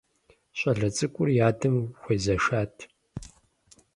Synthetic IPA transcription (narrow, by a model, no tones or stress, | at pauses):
ɕʷʼɐɮɐt͡sʼɨkʷʼʊrjaːdɨmxʷeːzɐʃaːtʰ